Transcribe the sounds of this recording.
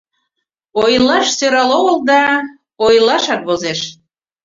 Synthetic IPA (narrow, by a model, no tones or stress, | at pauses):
ojlːɑʃsøɾɑloɣəld̪ɑ | ojlˠɑʃɑt̪̚βozeʃ